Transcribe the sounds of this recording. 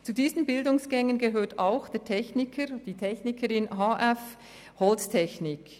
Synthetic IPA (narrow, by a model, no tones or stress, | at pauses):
t͡sudiːzən̩bɪldʊŋsɡ̥ɛŋənɡeɦøːtaʊxd̥eːɐtʰɛçnɪkʰəɾd̥iːtʰɛçnɪkʰəɾɪnɦaːʔɛf | hɔlstʰɛçnɪk